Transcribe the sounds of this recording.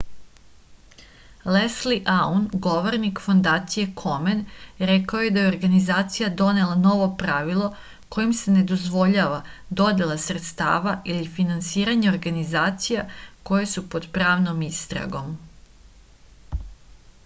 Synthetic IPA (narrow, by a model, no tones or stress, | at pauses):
lesliʔaunɡo̞ʋo̞ɾnikfo̞nd̪aːt̪sije̞kʰo̞menɾekaoje̞d̪ajeoɾɡanizaːt̪sijad̪o̞ne̞lˠano̞ʋo̞pɾaʋilˠo̞ | ko̞jimse̞ne̞d̪o̞zʋo̞ʎaːʋad̪o̞d̪elˠasɾe̞t̪st̪a̰ːʋaʔilifinansiːɾaɲeoɾɡanizaːt̪sijako̞jesupo̞d̪pɾaːʋno̞mist̪ɾa̰ɡo̞m